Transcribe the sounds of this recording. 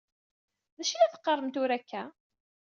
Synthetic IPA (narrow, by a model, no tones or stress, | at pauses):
ðæʃlæθə̥qːərˤːəmt̪ʊɾækʰːæ